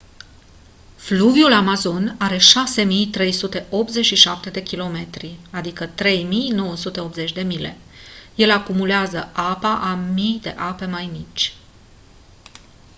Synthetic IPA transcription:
fluvjulamazo̞naɾe̞ʃase̞mijt̪ɾe̞jsut̪e̞ʔo̞p̪ze̞t͡ʃʃiʃap̚t̪e̞d̪e̞kʲilo̞me̞t̪ɾiad̪ikət̪ɾe̞jmijno̞wəsut̪e̞o̞p̪ze̞t͡ʃʲd̪e̞mile̞̰ | je̞lakumuleazəapaʔamijd̪e̞̰ʔape̞majmit͡ʃʲ

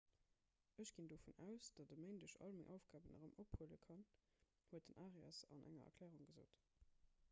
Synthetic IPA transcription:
əɕɡ̥indofunæʊsd̥ɑtdəməɪndəʃɑ̰lmɪŋʔɑʊfɡ̥aːbənə̰ʁəmʔophuələkʰɑn | huət̚d̥ənʔaːʁiɑ̰sɑ̰nʔæ̰ŋɐ̰ɐ̰klɛːʁuŋɡəzo̰ːt

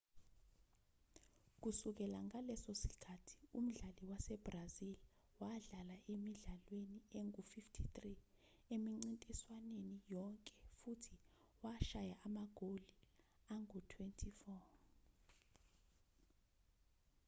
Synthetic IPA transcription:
k̬usuk̬ɛlaŋalɛsosi̥kʰatʰi̥um̩ɮaliwasɛb̥razil | waɮalaʔemiɮalwenieŋufiftʰitʼri | emiŋ͡ǀintʼiswanenijɔŋkʼɛ̥futʰi | waʃajaʔamaɡ̥ʱoli | aŋutʰwɛntʰifɔ

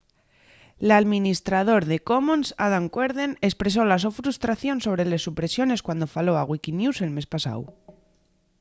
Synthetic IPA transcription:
laðmĩnist̪ɾað̞o̞ɾðe̞ko̞monsaðaŋkweɾðene̞spɾe̞s̬o̞las̬ofɾust̪ɾaθjo̞nso̞β̞ɾe̞le̞sːupɾe̞sjo̞ne̞skwand̪o̞falo̞aɣwikinjuse̞lme̞spasa̰w

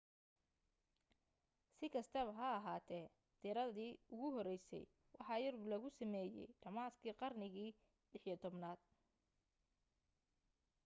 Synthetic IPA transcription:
sɪkʰɐst̪ʰɐβɐɦɐːɦaːt̪ʰɛː | t̪ɪɾɐðiːʊɣʊɦɔɾɛjsɛ̰j | wɑħɑːjɐrbulɐɣʊsɐmɛːjɛ̰jɖɐmaːskʰiːqɑrnɪɣiː | lɪħjɔt̪ʰɔbnaːd̪̚

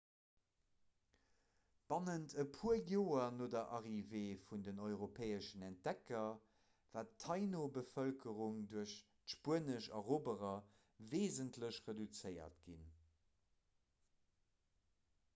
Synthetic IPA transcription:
b̥ɑnəntʰəpʰuɐjoːɐnoːdɐʔɑʁiveːfundənɔʏʁopʰeːəʃənɛnt̚d̥ɛkɐ | v̥aːtʰːɑɪnobəfəlkəʁuŋduɐʃ | tʃpuənəʃɑ̰ʁoːbəʁɐ | veːzəntləɕʁedut͡sɜɪɐ̰tɡin

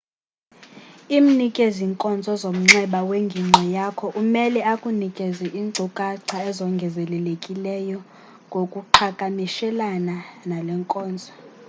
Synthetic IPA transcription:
im̩nikʼeziŋkʼɔnd͡zʱɔzom̩ŋ͡ǁɛɓaweŋɡʱiŋ͡ǀʱɛjakʰɔʔumɛlɛakʼunikʼeziʔiːǀʱukʼaǀʰaɛzɔŋɡʱɛzɛlɛlekʼilɛjɔ | ŋɡʱokʼuǃʰakʼamiʃɛlananalɛŋkʼɔːnd͡zʱɔ

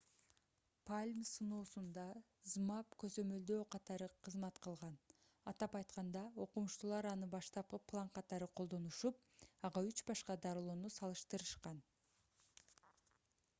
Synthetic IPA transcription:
pʰalʲmsɯnoːsund̪ɑ | zmɑpkø̞zø̞mø̞ld̪øːqʰɑt̪ɑɾɯqʰɯzmɑt̪qʰɯlˠʁɑn | ɑt̪ɑpɑjt̪̚qɑnd̪ɑo̞qumuʃt̪ulˠɑɾɑnɯbɑʃt̪ɑppʰːlˠɑɴqʰɑt̪ɑɾɯqʰo̞lˠd̪o̞nuʃup̚ɑʁɑyt͡ʃbɑʃqɑd̪ɑɾɯlˠoːnusɑlˠɯʃt̪ɯɾɯʃqɑn

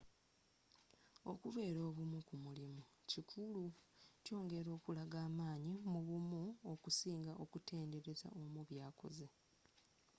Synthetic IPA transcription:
o̞̰kuβe̞ːɾo̞ːβumukumulimucikʰuluco̞ːŋɡe̞ɾo̞ːkulaɡaːmaːɲimuβumuokusiːŋɡaʔo̞kute̞ːnde̞ɾe̞za̰ʔo̞muβjaːko̞̰ze̞

